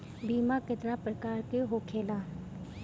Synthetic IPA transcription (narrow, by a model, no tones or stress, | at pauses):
biːmãːkɪt̪nãːpɾəkaːɾkeɦoːkʰeːlãː